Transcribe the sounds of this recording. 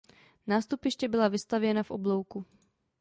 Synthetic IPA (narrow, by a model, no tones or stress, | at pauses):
naːst̪upɪʃcɛbɪlavɪst̪avjɛnafʔo̰blo̞wku